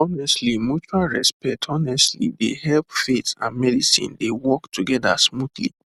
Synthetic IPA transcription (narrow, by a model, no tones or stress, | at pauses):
ɔnɛstlimjut͡ʃualɹɛspɛk̚tʰɔnɛstlḭdḛhɛlpfetã̰nmɛdisḭ̃ndewɔktʰuɡɛda̰smudlḭ